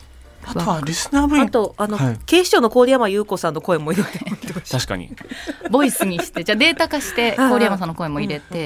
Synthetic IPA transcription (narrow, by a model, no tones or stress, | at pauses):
aaɾʲisɨnaːbɯat̪o̞ano̞ke̞ːɕi̥t͡ɕo̞ːno̞ko̞ːɾʲijamajɯ̟ːko̞sãnːo̞ko̞ẽ̞mːo̞iɾet̪eet̪aɕi̥ka̰ɲ̟ḭbo̞isɨɲ̟iɕi̥t̪e̞d͡ʑaːd̪e̞ːt̪akaɕi̥t̪e̞koːɾijamas̬ãnːo̞ko̞e̞mːo̞iɾe̞t̪e̞